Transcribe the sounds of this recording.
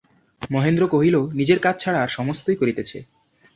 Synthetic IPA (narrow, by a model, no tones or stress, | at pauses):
mɔɦend̪ɾokoɦilonid͡ʑeɾkat͡ɕʰt͡ɕʰaɽaɾʃɔmost̪ojkoɾit̪et͡ɕʰḛ